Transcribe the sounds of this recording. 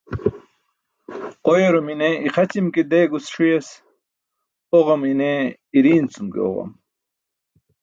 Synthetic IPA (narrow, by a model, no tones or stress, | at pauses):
qojeɾomineiqɐt͡ɕimkid̪eɡusʂujes | oʁɐmine | iɾiːnt͡sumkḭo̰ʁɐ̰m